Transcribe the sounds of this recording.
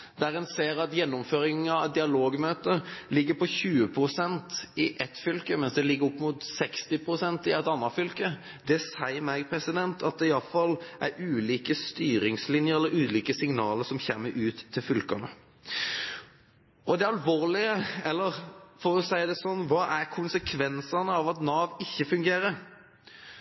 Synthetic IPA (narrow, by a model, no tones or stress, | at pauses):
d̪̥æɾɛnseːɾɑt̪jɛnːʊmføːɾɪŋɑd̪ɪɑloːɡmøːt̪əlɪɡːəpɔçʉːəpʰɾʊsɛnt̪ɪʔɛt̪fʏlkəmɛnsd̪ɛlɪɡːəɾɔpːmut̪sɛkst̪ɪpʰɾʊsɛnt̪ɪɛt̪ɑnːɑfʏlkə | d̪ɛsæɪəmɛɡpʰɾɛsɪd̪ɛnt̪ʰɑt̪̚d̪ɛɪɑlfɑlʔæɾʉːliːkəst̪yːɾɪŋslɪnjəɾɛlːəɾʉːd̪liːkəsɪŋnɑːləɾsɔmçɛmːəɾʔʉːt̪ʰːɪlfʏlkɑnə | ɔd̪ɛɑlʋoːʁlɪəɛlːəɾfɔɾɔsæɪd̪ɛsɔnːʋɑːʔæɾkʰʊnsəkʰʋɛnsɑnəɑʋɑt̪nɑːʋɪçːəfʉŋɡeːɾəɾ